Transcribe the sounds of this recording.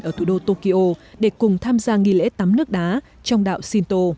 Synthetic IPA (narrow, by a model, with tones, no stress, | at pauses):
ʔəː˧˩t̪ʰu˧˩ɗo˧t̪o˧ki˧ʔo˧ɗe˧˩kʊ˨˩ŋ͡mt̪ʰaː˧mzaː˧ŋi˨˩˨lḛ˧˥t̪a˨˦mnɨ˦˥ək̚ɗaː˨˦ | t͡ɕɔ˧wŋ͡mɗa̰ː˧˨wsi˧nt̪o˧